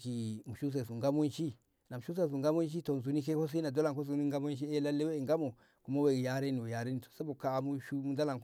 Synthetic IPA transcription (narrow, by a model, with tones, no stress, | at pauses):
ki˨mu˨ʃu˦s̬e˨su˨ŋɡa˦mo˦nʃi˦ | na˨mu˨ʃu˦s̬e˨s̬u˨ŋɡa˦mo˦n˦ʃ̬i˦to˨n˨zu˨˦ni˦k̬e˦ho˦s̬i˦na˨do˦la˨k̬o˦s̬u˨˦ni˦ŋ˦ɡa˦mo˦nʃi˦e˦la˦lːe˦we˦˨ŋɡa˦mo˨ | ku˨ma˦we˨ɡja˦ɾe˦ni˨we˨ja˨ɾe˦ni˨to̥˨se˦bo˨ka˦˨mu˦ʃu˦mu˦da˦la˨ŋk